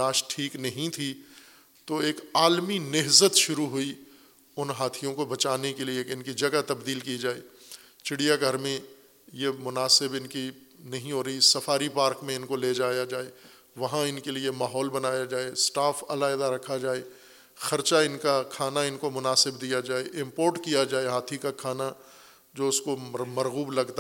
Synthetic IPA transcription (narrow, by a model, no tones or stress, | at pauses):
aːʃʈʰiːknɐɦĩt̪ʰi | t̪oeːkaːlminɪɦzət̪ʃʊɾuɦʊi | ʊnɦaːt̪ʰijõkobɐt͡ʃaːnekelieɪnkid͡ʒɐɡat̪ɐbd̪iːlkid͡ʒaːeː | t͡ʃɪɽijaɡʱɐɾmẽ | jemʊnaːsɪbɪnkinɐɦĩɦoːɾɐisɐfaːɾipaːɾkmẽɪnkoleːd͡ʒaːjad͡ʒaːe | ʋɐɦãɪnkeliemaːɦɔːlbɐnaːjad͡ʒaːesʈaːfɐ̰laɪd̪aɾɐkʰːad͡ʒaːe | xɐɾt͡ʃaɪnkakʰaːnaɪnkomʊnaːsɪbd̪ijad͡ʒaːeʔɪ̃mpoːɾʈkijad͡ʒaːeɦaːt̪ʰikakʰaːna | d͡ʒoːʊskomɐɾɣuːblɐɡt̪a